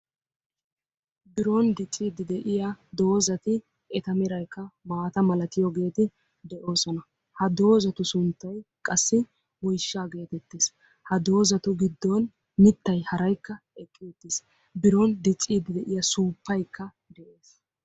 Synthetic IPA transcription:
bɪɾond̪ɪt͡sʼːiːd̪ɪd̪ɛʔɪjɐd̪o̞ːzɐt̪ɪ | ɛt̪ɐmɪɾɐjkːɐmaːt̪ɐmɐlɐt̪ɪjɔɡe̞ːt̪ɪ | d̪ɛʔo̞ːsɔnɐ | hɐd̪o̞ːzɐt̪ʊsʊnt̪ːɐjkʼɐsːɪ | wɔjʃːaːɡe̞ːt̪ɛt̪ːeːs | hɐd̪o̞ːzɐt̪ʊɡɪd̪ːɔnː | ɪt̪ːɐjhɐɾɐjkːɐɛkʼːɪt̪ːɪs | bɪɾɔnd̪ɪt͡sʼːiːd̪ɪd̪ɛʔɪjɐsuːpːɐjkːɐ | d̪ɛʔe̞ːs

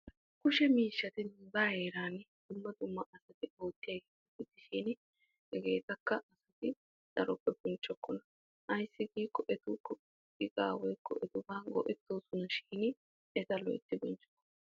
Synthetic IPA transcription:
kʊʃɛmiːʃːɐt̪ɪnːzaːheːɾaːnd̪̥ʊmːɐd̪ʊmːɐʔɐsɐt̪ɪo̞ːt̪ːɪjɐɡ | ɐtːɪt̪ːɪʃiːn | hɛɡe̞ːt̪ɐkːɐɐsɐt̪ɪ | t̪ʼɐɾɔpːɛbɔnt͡ʃʼːɔkːɔnɐ | ʔɐjsːɪɡiːkːɔʔɛt̪ʊkːɔ | ɪkʼaːwɔjkːɔ̰ʔɛt̪ʊbaːnɡɔ̰ʔɛt̪ːoːsʊnɐʃiːn | ɛt̪ɐlɔ̰ʔɪ̰t̪ːɪbɔnt͡ʃʼːɔ̥kːɔ̥nɐ

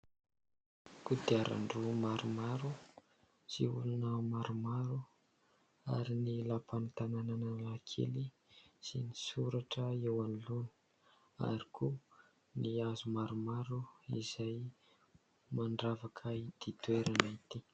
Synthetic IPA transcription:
kud̪iaɾa̰ɳɖ͡ʐumaɾumaɾu | z̥ḭulunəmaɾumaɾu | a̰ɾinilapanit̪anananalakʰḛli | sinisuɾaʈ͡ʂəewanulunə̥ | a̰ɾikʰu | niazumaɾumaɾuiz̥aj | maɳɖ͡ʐavakʰaid̪̥it̪weɾʔanait̪i

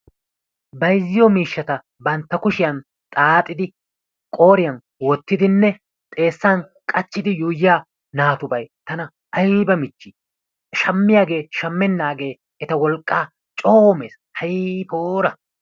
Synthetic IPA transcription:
bɐjzːɪjɔmiːʃːɐt̪ɐ | bɐnt̪ːɐkʊʃɪjɐn | t̪ʼaːt̪ʼːɪd̪ɪ | kʼo̞ːɾɪjɐn | wɔt̪ːɪd̪ɪnːɛ | t̪ʼe̞ːsːankʼɐt͡ʃːɪd̪ɪjuːjːɪjaː | naːt̪ʊbɐjt̪ɐnɐ | ɐjbɐmɪt͡ʃːɪ | ʃɐmːɪjaːɡe̞ːʃɐmːɛnːaːɡe̞ː | ɛt̪ɐwɔlkʼːaː | t͡ʃʼoːme̞̰ːs | hɐjpoːɾɐ

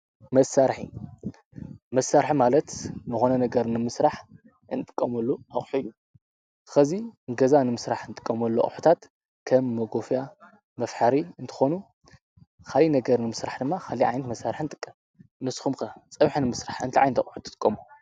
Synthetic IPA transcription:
mɐsːaɾħḭ | mɐsːaɾħimalɐt̪nɨxonɐnɐɡɐɾnɨmɨsɾaħ | ɨnt̪ʼɨ̥kʼːɐmɐlːuaχʼħujːu | ɨxɐziŋɡɐzanɨmɨsɾaħnt̪ʼɨkʼːɐmɐlːo̰ʔʼħu̥t̪ʰat̪ | kʰɐmːɐɡo̞fja | mɐfħaɾiɨnt̪ʰɨ̥xo̞nu | kʰalinɐɡɐɾnɨmɨsɾaħd̪ɨmːaxʰaliʕa̰jnɐt̪mɐsːaɾħint̪ʼɨkʼːɐm | nɨsxumkɐt͡sʼɐβħnɨmɨsɾaħɨnt̪ʰiʕa̰jnt̪ʰɐ̰ħu̥t̪ʰɨ̥t̪ʼɨkʼːɐmu

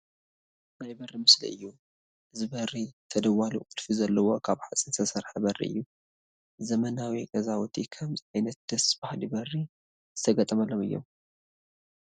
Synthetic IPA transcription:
najbɐrːimɨslḭɨjːu | ʔɨzɨbɐrit̪ʰɐd̪ɐwalṵqʼɨlfizɐlːɐwo̞kʰaβħat͡sʼinsʰɐsɐɾħabɐrḭʔɨ̰jːu | zɐmɐnawikʼɐzawt̪ʰikʰɐmzajnɐt̪̚d̪̥ɐsbahlibɐrːi | z̥ɨt̪ʰɐɡɐt̪ʼɐmɐlːomɨ̰jːo̞̰m

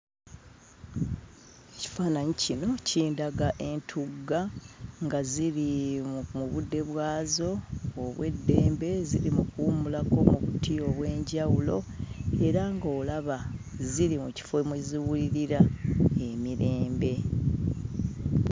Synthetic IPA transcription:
eci̥faːnaɲicino̞ciːndaɡaʔe̞ntʰuɡːaŋɡaziɾimuβudːe̞βwaːzo̞ːβwe̞̰dːe̞ːmbe̞ziɾimukuuːmulako̞muβṵtːio̞βwe̞ːɲɟawulo̞ | e̞ɾaŋɡo̞ːlaβa | ziɾimuci̥femweziwuliɾiɾae̞miɾe̞ːmbe̞

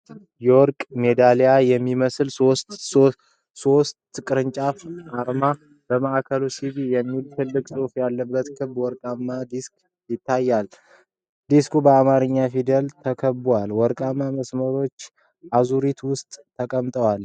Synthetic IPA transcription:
jɛwɔɾkʼmed̪alejajɛmːiməslsost̪o | so̞st̪kʼɨɾɨɲt͡ʃʼafʔaɾma | b̥əməʔakʰəlusiβijɛmːilt̪ʰɨlːɨkʼsʼɨfjalːəbːət̪kʰɨbwɔɾkʼamːad̪isk | jɪt̪ʰːajːal | d̪iskʰubəamaɾɨɲːafid̪əlt̪ʰəkʰəbwalwɔɾkʼamːaməsməɾo̞t͡ʃː | ʔazuɾit̪wʊst̪ʼt̪ʰːəkʼəmt̪ʼəwal

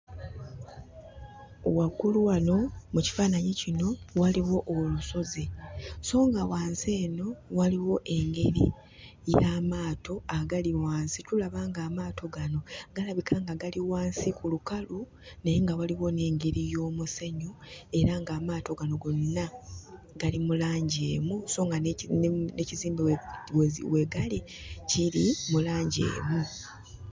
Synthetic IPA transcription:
o̰wakuluwano̞muci̥faːnaɲecino̞waliwo̞ʔoluso̞zeso̞ːŋɡawaːnze̞ːno̞waliwo̞ʔe̞ŋɡe̞ɾḭ | jamaːto̞aɡaliwaːnsitulaβaːŋɡaːmaːtʰo̞ɡano̞ɡ̥alaβikʰaːŋɡaɡaliwaːnsikulukalu | nejeŋɡawaliwo̞ne̞ːŋɡe̞ɾijo̞ːmuseɲoe̞ɾaŋɡaːmaːto̞ɡano̞ɡonna | ɡ̥alimulaːɲɟeːmuso̞ːŋɡanneciziːmbiwwe̞ɡali | ciɾimulaːɲɟḛːmu

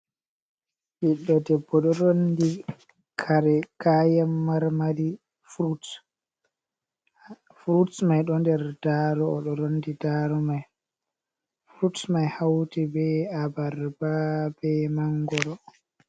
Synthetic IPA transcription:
ʔiɗːɔdɛbːɔɗɔɾondi | kʰaɾɛkʰajamːaɾmaɾi | fɾut | fɾutmajɗɔndɛɾdaɾɔːɗɔɾondidaɾɔmaj | fɾutmajhawtibɛabaɾbabɛmaŋɡɔɾɔ

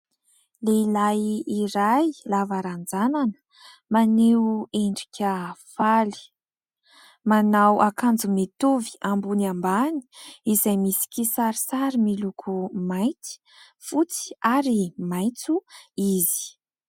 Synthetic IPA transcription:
leilajiɾajlavaɾand͡zananə̥ | maneeɳɖ͡ʐikʲʰəfali̥ | manawʔakand͡zumet̪uvi̥ambuniambani̥izajmisi̥kʲisaɾisaɾimilukʰumajt͡si̥ | fut͡si̥aɾimajt͡suizi̥

